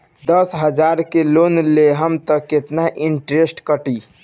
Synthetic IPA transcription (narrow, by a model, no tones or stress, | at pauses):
d̪əsɦəd͡ʒaɾkelonleɦəmt̪əkːet̪naʔiɳʈɾesʈkəʈi